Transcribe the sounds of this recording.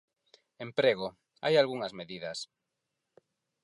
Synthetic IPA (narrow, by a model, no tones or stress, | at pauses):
empɾeɣo | a̰jalɣuŋɐzmeðiðɐs